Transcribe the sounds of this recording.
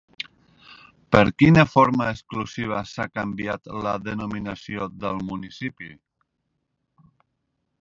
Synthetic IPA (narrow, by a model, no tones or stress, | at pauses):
pəɾkinəfoɾmaəsklusiβ̞əsakambiat̪ləðənuminəsioðəlˠmunisipḭ